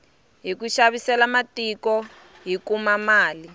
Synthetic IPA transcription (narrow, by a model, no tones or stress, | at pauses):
ɦikuʃaβisɛlamatikɔ | ɦikumamaːli